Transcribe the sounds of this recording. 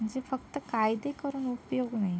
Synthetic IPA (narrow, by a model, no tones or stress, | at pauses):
məɳd͡ʒefək̚t̪əkajd̪ekəɾuːnupjoɡnaɦi